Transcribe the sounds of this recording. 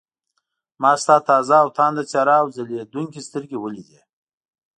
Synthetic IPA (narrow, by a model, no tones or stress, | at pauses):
mɑst̪ɑt̪ɑzaːwt̪ʰɑnd̪at͡sɑɾaːwzəled̪uŋkʲist̪əɾɡʲewəlid̪e